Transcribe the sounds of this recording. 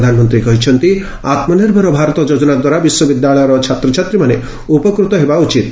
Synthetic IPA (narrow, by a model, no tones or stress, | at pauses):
d̪ʱanmɔnt̪ɾikɔɦit͡ʃʰɔnt̪i | at̪mɔniɾbʱɔɾɔbʱaɾɔt̪ɔd͡ʒod͡ʒɔnad̪waɾabiswɔbid̪jaɭɔjɔɾɔt͡ʃʰat̪ɾɔt͡ʃʰat̪ɾimane | upɔkɾut̪ɔɦebaut͡ʃit̪̚